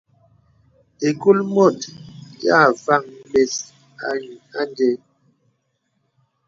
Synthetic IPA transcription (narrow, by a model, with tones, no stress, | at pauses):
e˨ku˦lmo˦˨tja˦˨va˦˨ŋ˦le˨s | a˦ɲ˨a˦nde˦